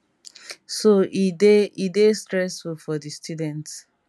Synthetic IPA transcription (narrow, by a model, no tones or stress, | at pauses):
soideidestɹɛsfulfɔdistʰjudɛ̃nts